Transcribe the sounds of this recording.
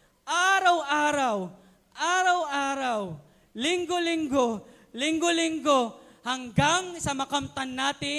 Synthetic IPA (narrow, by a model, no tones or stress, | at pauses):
ʔaːɾawʔaːɾaw | ʔaːɾawʔaːɾaw | lɪŋɡolɪŋɡo | lɪŋɡolɪŋɡohɐŋɡaŋsɐmɐkamt̪anːaːt̪ɪ